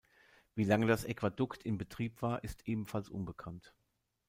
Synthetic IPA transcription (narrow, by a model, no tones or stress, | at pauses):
viːlaŋədasʔɛkv̥adʊktʰɪmbətʁ̥iːpv̥aːɐʔɪstʔeːbm̩falsʔʊ̰nbəkʰant